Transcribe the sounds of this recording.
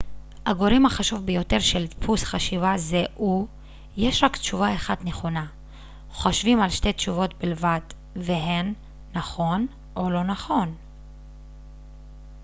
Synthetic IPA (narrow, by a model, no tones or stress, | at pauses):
haɡo̞ɾimhaχaʃuvbejo̞te̞ʁʃelpʰusχaʃivazeʔu | jeʃʁaktʃuvaeχadneχo̞na | χo̞ʃvimalʃtetʃuvo̞tbilvad | veɦenː | aχo̞n | ʔolo̞naχo̞n